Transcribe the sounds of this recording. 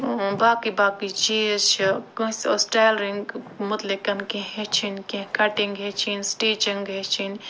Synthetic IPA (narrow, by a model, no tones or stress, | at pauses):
baːkibaːkid͡ʒiet͡ʃʰikə̃ɦsosʈalɾiŋɡmut̪likɐnkẽɦɦet͡ʃʰinkẽɦkɐʈiŋɡɦet͡ʃʰinsʈed͡ʒiŋɡɦet͡ʃʰin